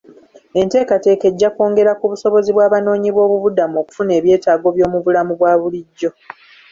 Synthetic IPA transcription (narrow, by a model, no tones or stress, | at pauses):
e̞nte̞ːkate̞ːke̞ɟːako̞ːŋɡe̞ɾakuβuso̞βo̞ziβwaːβano̞ːɲiβwo̞ːβuβudamoku̥fune̞ːβje̞ːtaːɡo̞βjo̞ːmuβulamuβwaːβuliɟːo̞